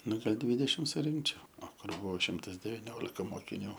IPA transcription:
ˈnʊ ɡɐlʲ ˈdʲʋʲɪdʲɛʃʲɪm sʊˈrʲɪŋkt͡ʃʲɛʊ oː ˈkʊr ˈbʊʋoː ˈʃʲɪmtɐs dʲɛʋʲɪˈnʲoːlʲɪkɐ moːkʲɪˈnʲuː

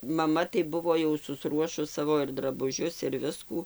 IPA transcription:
ˈmɑːˈmɐ tɐɪ ˈbʊʋoː jɛʊ sʊsˈruɔʃʊs ˈsɑːʋoː ɪr drɐbʊˈʒʲʊs ɪr ˈʋʲɪskuː

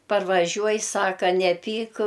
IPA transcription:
pɐrʋɐˈʒʲuɔj ˈsɑːkɐ nʲɛˈpʲiːk

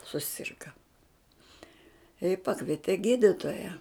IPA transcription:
sʊˈsʲɪrɡɐ ɪ ˈpɑːkʋʲiɛtʲɛ ˈɡʲiːdʲɪtoːjɛ

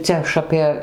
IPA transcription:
ˈt͡sʲɛ ɐʃ ˈɑːpʲeː

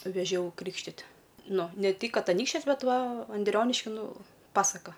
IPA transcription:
ʋʲɛˈʒʲɛʊ ˈkrʲiːkʃʲtʲɪtʲ ˈnʊ nʲɛ ˈtʲɪk ˈkɐt ɐˈnʲiːkʃʲt͡ʃʲɛs ˈbʲɛt ˈʋɐ ɐnʲˈdʲrʲoːnʲɪʃʲkʲɪ ˈnʊ ˈpɑːsɐkɐ

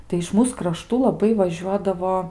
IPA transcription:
tɐɪ ɪʃ ˈmuːs krɐˈʃtuː lˠɐˈbɐɪ ʋɐˈʒʲuɔdɐʋoː

